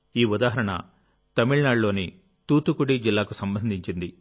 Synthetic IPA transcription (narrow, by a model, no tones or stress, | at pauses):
iːud̪aːɦɐɾɐɳɐ̰ | t̪ɐmiɭnaːɖlo̞ːni | t̪uːt̪ukuɽid͡ʒilːaːkusɐmbɐnd̪ʱiɲt͡ʃind̪i